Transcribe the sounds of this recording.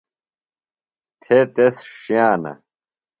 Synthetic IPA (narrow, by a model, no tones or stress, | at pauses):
t̪ʰet̪esɕiaːnɐ̰